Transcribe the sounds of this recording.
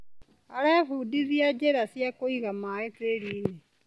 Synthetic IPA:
aɾɛfudizjad͡ʒeɾasjakoiɣamaeteɾiːne

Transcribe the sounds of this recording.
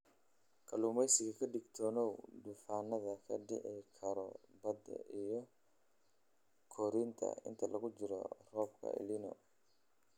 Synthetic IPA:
kʰɐlumɛjsɪɣɐkʰɐɖɪɡt̪ʰɔːnɔwd̪ufaːnɐðɐkʰɐ̰ɖɪ̰ʔɛjkʰɐɾɔ̰bɐd̪ɐ̰ʔijɔ | kʰɔɾint̪ʰɐ̰ɪ̰nt̪ʰɐlɐɣʊd͡ʒɪɾɔ̰r̥ɔːbkʰɐ̰ʔɪ̰linɔ̰

